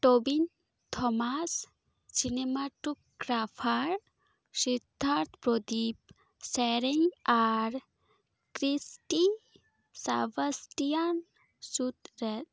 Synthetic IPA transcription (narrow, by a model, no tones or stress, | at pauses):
ʈobin | t̪ʰɔmas | sinemaʈuk̚ɡɾapʰaɾ | ʃid̪ʱːaɾt̪ʰpɾod̪ip̚ | sɛɾiŋaɾ | kɾisʈi | sa̰bəsʈijan | sut̪ɾɛt̪